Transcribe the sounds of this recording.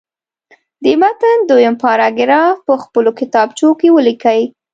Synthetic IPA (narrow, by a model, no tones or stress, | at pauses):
d̪imat̪ənd̪ojəmpɑɾɑɡɪɾɑpəxpəlokɪt̪ɑbt͡ʃokewəlikəwi